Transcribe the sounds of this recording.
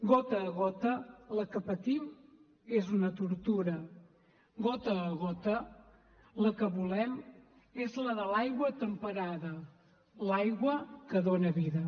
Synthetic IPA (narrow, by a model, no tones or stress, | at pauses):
ɡot̪əːɣot̪ələkəpət̪im | ezunət̪uɾt̪uɾə | ɡot̪əːɣot̪ə | ləkəβulɛm | ezləðəlajɣwət̪əmpəɾaðə | lajɣwəkəðonəβiðə